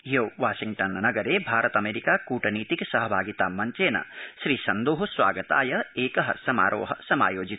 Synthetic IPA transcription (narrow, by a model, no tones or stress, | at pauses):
ɦioːʋaːʃiŋɡʈɐnnɐɡɐɾeːbʱaːɾɐt̪ɐmeːɾikaːkuːʈɐniːt̪iksɐɦɐbʱaːɡit̪aːmɐɲt͡ʃeːnɐ̰ʃɾiːsɐnd̪oːɦusʋa̰ːɡɐt̪a̰ːjɐeːkɐɦɐ̰sɐma̰ːɾo̰ːɦɐ̰sɐma̰ːjoːd͡ʒit̪